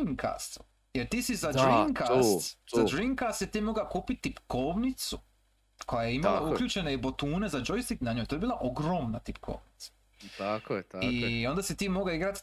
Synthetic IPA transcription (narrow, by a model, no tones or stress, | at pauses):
iŋkʰa̰st̪u | jeɾt̪iːsizaɾiŋkast̪zadɾiŋkast̪it̪iːmo̞ɡakuːpit̪̚t̪ipkoʋnit̪su | kʰo̞jajeimalˠaukʎuːt͡ʃe̞ne̞ibo̞t̪uːne̞zad͡ʒojst̪iknaɲojt̪ojbiːlaʔo̞ɡɾo̞mnat̪ipkʰo̞̰ːʋnit̪sḁ | ak̪io̞nd̪asit̪iːmo̞ɡlaiɡɾat̪